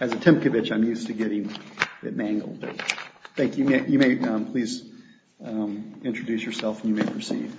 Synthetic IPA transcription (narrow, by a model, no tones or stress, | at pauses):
ɨzɨtʰɪ̃mp̚kɨvɪt͡ʃãɪ̃mjʉstʰɨɡɛɾɪ̃ŋbɨ̰t̚mæ̃ŋɡl̩ˠd̚bə̰θæ̃ŋkjʉmeɪjɨmeɪʌ̃mpʰl̥iz | mɪ̃nt͡ʃɹ̥ɨdʉsjə˞sɛlˠfn̩jɨmeɪpʰə˞sḭv̥